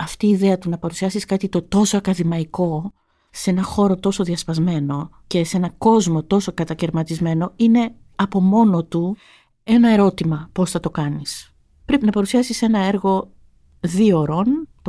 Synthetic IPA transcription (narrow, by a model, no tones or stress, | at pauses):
ɐft̪iːðe̞ɐt̪unɐpɐɾusiɐsiskɐt̪it̪o̞t̪o̞soɐkɐðimɐiko̞ | se̞nɐxo̞ɾo̞t̪o̞so̞ðiɐspɐzme̞no̞ | ce̞se̞nɐko̞zmo̞t̪o̞so̞kɐt̪ɐceɾmɐt̪izme̞no̞ine̞ | ɐpo̞mo̞no̞t̪u | e̞nɐe̞ɾo̞t̪imɐpo̞sθɐt̪o̞kɐnis | pɾe̞pinɐpɐɾusiɐsise̞nɐe̞ɾɣo̞ | ðio̞ɾo̞nt̪